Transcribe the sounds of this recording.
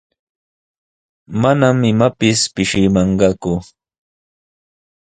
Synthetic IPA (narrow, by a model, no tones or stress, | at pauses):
manamɪmapɪspɪʃɪmɑɴɢɑkʊ